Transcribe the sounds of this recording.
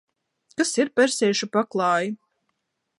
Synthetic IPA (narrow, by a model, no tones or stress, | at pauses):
kasiɾpɛɾsɛːʃupaklˠɑːji